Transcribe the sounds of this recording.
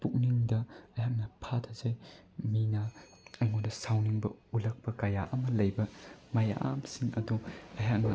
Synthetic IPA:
puk̚niŋdɐɐjɦak̚nɐpʰatʰazaj | minɐ | ɐŋojdɐsawniŋbɐulɐk̚pɐkɐjaʔɐmɐlɐjbɐmaja̰ʔa̰msiŋɐduɐjɦak̚nɐ̰

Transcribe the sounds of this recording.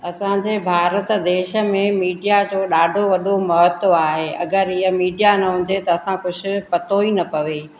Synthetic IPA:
ɐsãɲd͡ʑeːbʱaːɾət̪d̪eːʃə̆mẽmiːɖijad͡ʑoːɗaːɖʱoʋɐd̪ʱomɐɦət̪aːɦeʔɐ̰ɡəɾɪɦəmiːɖijanɐɦʊ̃ɲ̆d͡ʑet̪ɐːsãkʊd͡ʑʱʊ̆pɐt̪oinɐpɐʋeː

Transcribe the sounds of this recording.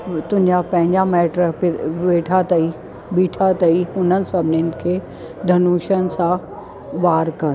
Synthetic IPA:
t̪ʊɲd͡ʒapɛ̃ːɲd͡ʒameːʈɾpɪʋeːʈʰat̪ɐi | biːʈʰat̪ɐiʊnənsɐbʱnɪnkʰe | d̪ʱɐnuːʃənsa | ʋaːɾkɐɾ

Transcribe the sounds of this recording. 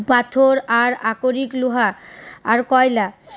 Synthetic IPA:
pat̪ʰoɾaɾakoɾikluɦaːɾkɔjla

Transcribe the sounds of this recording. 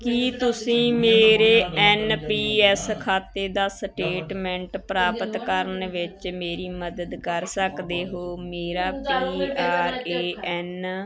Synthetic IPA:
kit̪ʊsĩːmeːɾeːɛːnpiːɛːskʰaːt̪eːd̪aːsʈeːʈmɛ̃ːɳʈpɾaːpət̪kəɾənʋɪt͡ʃmeːɾiːməd̪əd̪kəɾsəkd̪eːɦoːmeːɾaːpiːaːɾeːɛːn

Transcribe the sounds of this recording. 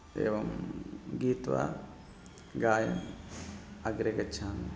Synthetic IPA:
ḛːʋɐmɡiːt̪ʋa̰ | ɡaːjɐm | ɐɡɾeɡɐt͡ʃʰaːn

